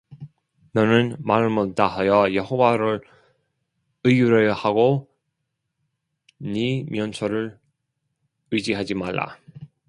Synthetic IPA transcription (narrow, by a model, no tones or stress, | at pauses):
nʌnɯnmaɾɯɭmot͈aɦajʌjʌɦowaɾɯɭ | ɯijuɾʌjʌhaɡo | nimjʌnsʰʌɾɯɭ | ɯd͡ʑiɦad͡ʑimaɭːa̰